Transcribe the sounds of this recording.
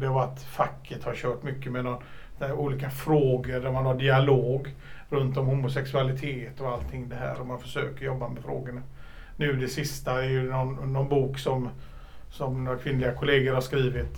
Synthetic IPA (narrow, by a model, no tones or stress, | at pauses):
d̪ɛvaat̪fakʰːət̪haɾɕœːʈmʏkːəmɛnɔn | æɾuːliːkafɾoːɡəɖæɾmanhaɖɪaloːɡɾɵnt̪ɔmhʊmʊsɛksɵalɪt̪ʰeːt̪ɔalt̪ʰːɪŋːd̪ɛɦæ̰ːɾɔmanfœ̥ʂø̰ːkəɾjɔbːamɛfɾo̰ːɡəɳa | nʉ̟ːd̪ɛsɪst̪aɛɾjɵnɔnːɔnbuːksɔm | sɔmnoːɾakʰvɪnlɪɡakʰʊleːɡəɾhaʂkɾiːvɪt̪